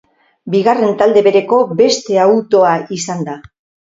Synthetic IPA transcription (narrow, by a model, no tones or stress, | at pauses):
biɣare̞nt̪ald̪e̞βe̞ɾe̞ko̞be̞st̪e̞awt̪o̞aisand̪a